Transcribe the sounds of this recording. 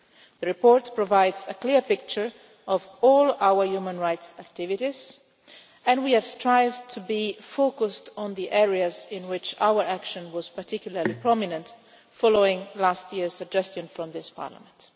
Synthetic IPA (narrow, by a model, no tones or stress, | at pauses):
ðəɹipɔːɹtpɹɔvaɪdzəkliɹpɪk̚t͡ʃə˞ | ɔvɔːlawəɹjumə̃nɹajtsæk̚tɪvɪɾiz | ɛ̃ndwiɛvstɹajvtʰubifokʊstɔ̃nd̪iʔɛɹiazɪ̃nwɪt͡ʃa̰wəɹækʃə̃nwɔz̥paɹtʰɪkjuləɹlipɹɔminə̃nt | fɔloɪ̃ŋlastʰjiɹz̥səɡ̚d͡ʒɛstjə̃nfɹɔ̃mðɪspa̰ɹla̰mɛ̃nt